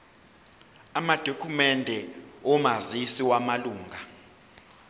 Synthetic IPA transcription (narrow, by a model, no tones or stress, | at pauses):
amad̥ʱokʰumɛndʱɛɔmazisiwamaluːŋɡʱa